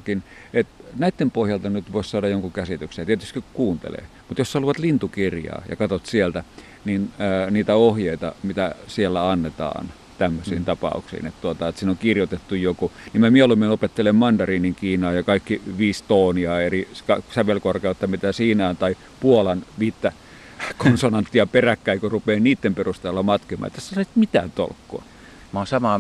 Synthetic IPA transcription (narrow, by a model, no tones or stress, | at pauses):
kin | et̪næit̪ːempohjɑlt̪ɑnyt̪ʋoˑissɑːdɑjoŋkuŋkæsit̪yksejt̪iet̪yst̪kikukuːnt̪ḛlḛː | mut̪josːɑluʋɑt̪lint̪ukirjɑ̰ːjɑ̰kɑt̪ot̪sielt̪æ | ninːniːt̪æohjeit̪ɑ̰mit̪æsielːæɑnːet̪ɑ̰ːn | t̪æmːøsḭːnt̪ɑpɑ̰ˑṵksḭːnḛt̪t̪uot̪ɑet̪siːnoŋkirjot̪et̪ːujjokunimæmieolumːenopet̪ːelemmɑndɑriːniŋkiːnɑːjɑkɑikːiʋiːst̪oːniɑerikɑsæʋelkorkeut̪ːɑmit̪æsiːnæːnt̪ɑi | puolɑnʋiːt̪ːæ | konsonɑnt̪ːiɑperækːæikorupeːniːt̪ːemperust̪elːɑmɑt̪kemɑ̰ːḛt̪ːˑæsi̥tːesɑisit̪mit̪æ̰ːnt̪o̰lkːo̰ɑ | mɑsɑmɑ